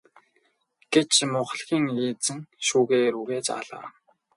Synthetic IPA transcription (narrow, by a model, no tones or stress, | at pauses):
ɡ̥et͡ɕmʊχɮxʲiːŋiːt͡sɘ̆ŋʃuːɣeːɾuɣeːt͡ɕa̰ɮa̰ː